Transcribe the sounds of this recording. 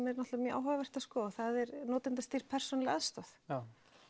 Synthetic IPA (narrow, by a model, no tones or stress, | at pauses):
mɛɾnɔht̪vmjœʔa̰ːwɦavavɛr̥t̪askɔːθaðɛɾnɔːt̪ɪnt̪ast̪ir̥pʰɛr̥sɔnlɪaðst̪ɔθ